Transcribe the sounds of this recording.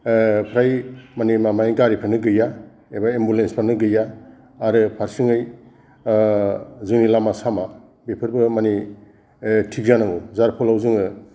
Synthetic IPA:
pʰɾajmanimamajɡaɾipʰanɯɡɯja | ebaembulenspʰanɯɡɯjaː | ɾɯpʰaɾsɯŋɯj | zɯŋnilamasama | bepʰɯɾbɯmani | tʰik̚zanawuzaɾpʰɔlawzuŋɯ

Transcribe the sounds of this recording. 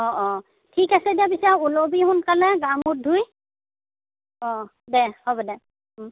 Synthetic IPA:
ɔʔɔ | tʰikasɛdiapisaulobiɦʊnkalɛɡamʊt̚dʱuj | ɔ | dɛhɔbɔdɛ

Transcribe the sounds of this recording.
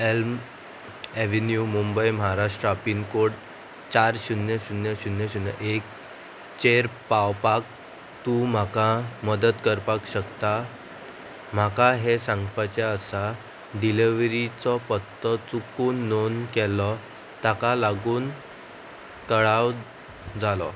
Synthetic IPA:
elm | eʋenjumumbəjməɦaɾaʂʈɾəapinkoɽ | t͡ɕaɾɕunjəɕunjəɕunjəɕunjə̰ʔek̚ | t͡ɕeɾpawpak̚ | t̪ũm̤akaməd̪ət̪kəɾpakɕəkt̪a | m̤akaɦesãŋɡpat͡ɕaəsa | ɖiliʋɾit͡sɔpət̪ːɔt͡sukuːnːonkɛlɔ | t̪akalaɡuːn | t̪əɭaw | d͡zalɔ

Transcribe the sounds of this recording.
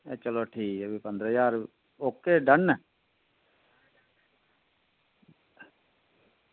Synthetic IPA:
et͡ʃəloːʈʰiːkebʱipə̃nd̪ɾəjaːɾ | oːkːeɖənːə

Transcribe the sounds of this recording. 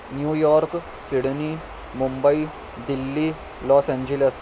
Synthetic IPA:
njuːjɔɾk | siɽni | mumbəi | d̪ilːi | lɔsɛ̃ɲd͡ʑeles

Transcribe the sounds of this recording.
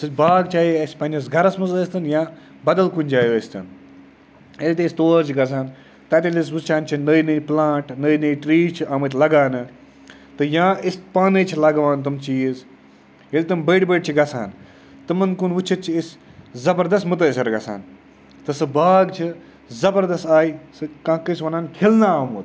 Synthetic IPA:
sɨbaːɡ̚t͡ʃʰaːjiɐsʲpɐnʲɐs̬ɡɐɾɐsmɨzːst̪ɨnjãː | bɐd̪ɐlkunʲd͡ʒaːjoəst̪ɨ̰n | elʲt̪̬ist̪oːɾt͡ʃʰiɡɐs̬aːn | t̪ɐt̪ʲilʲis̬ʋut͡ʃʰaːnt͡ʃʰinəːjnɨplãːʈnəːinɨiʈɾiːt͡ʃʰiʔamɨt̪̬ʲlɐɡaːnɨ | t̪ɨjãːist̪paːnɨt͡ʃʰilɐɡʋaːnt̪ɨmt͡ʃiːz | elʲt̪ɨmbeːɖbeːɖ̚t͡ʃʰiɡɐsa̰ːn | t̪ɨmɨnkunʋut͡ʃʰɐt̪̚t͡ʃʰiiszɐbɐɾd̪ɐst̪mɨt̪̬ɨsɐɾɡɐsa̰ːn | t̪ɨsɨbaːɡt͡ʃʰi | zɐbɐɾd̪ɐst̪aːisɨkãːkɨsʋɐnaːnkʰelnaaːmut̪

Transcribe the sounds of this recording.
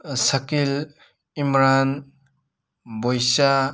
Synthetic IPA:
sɐkil | imɾan | bojsa

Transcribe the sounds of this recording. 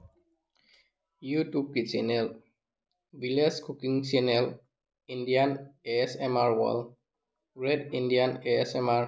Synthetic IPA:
jutub̚kit͡ʃɛnɛl | bileskʰukiŋt͡ʃɛnɛl | indianesɛmaɹwa̰l | ɹedindianesɛmaɹ

